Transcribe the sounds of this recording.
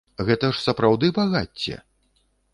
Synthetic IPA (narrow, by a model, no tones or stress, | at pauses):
ɣɛt̪ɐʂsɐpɾawd̪ɨbaɣat͡sʲːɛ̰